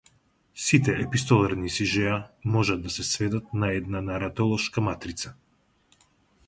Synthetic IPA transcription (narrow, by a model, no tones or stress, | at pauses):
sit̪ɛɛpist̪ɔlˠaɾnisiʒɛamɔʒad̪ːasɛsvɛd̪at̪̚naɛd̪nanaɾat̪ɔlˠɔʃkamat̪ɾit̪sḁ